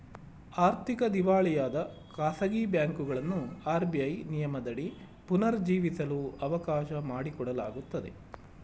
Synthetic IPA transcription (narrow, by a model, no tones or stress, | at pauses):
aːɾt̪ikɐd̪iʋaːɭijaːd̪ɐ | kaːsɐɡiːbjaːŋkuɡɐɭɐnːuaːɾbiɐjnijɐmɐd̪ɐɽi | punɐɾd͡ʒiːʋisɐluɐʋɐkaːʃɐmaːɽikɔɽɐla̰ːɡut̪ːɐd̪e̞̰